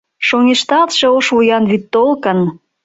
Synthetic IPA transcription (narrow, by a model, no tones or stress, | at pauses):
ʃoŋeʃt̪ɑt̪ʃeoʃβujɑnβit̪ːolkən